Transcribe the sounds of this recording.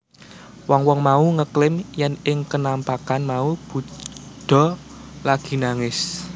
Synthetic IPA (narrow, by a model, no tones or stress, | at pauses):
wɔŋwɔŋmauŋəklɪmjɛnɪŋkənampakanmaub̥ṳɖ̪̥ɔ̤ | laɡ̥i̤naŋɪs